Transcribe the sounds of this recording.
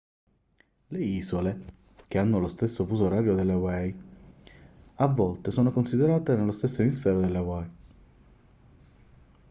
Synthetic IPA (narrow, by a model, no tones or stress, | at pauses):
leiːzole | k̟eanːolost̪esːofusuɾaːɾjod̪elːewɛj | avːɔlt̪esoːnokonsid̪eɾaːt̪enelːost̪esːoemisfɛːɾod̪elːewɛj